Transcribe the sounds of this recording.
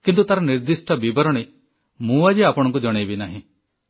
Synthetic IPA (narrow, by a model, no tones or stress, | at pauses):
kint̪ut̪aɾɔniɾd̪isʈɔbibɔɾɔɽ̃e | mũad͡ʒeapɔɽ̃ɔŋkud͡ʒɔɽ̃ebinaɦĩ